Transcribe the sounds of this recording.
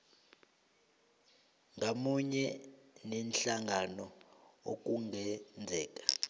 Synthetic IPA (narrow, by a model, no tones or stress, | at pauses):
ŋʱamuɲɛnɛnɬaŋʱanɔok̬ʼuŋɛnd͡zʱɛːk̬ʼḁ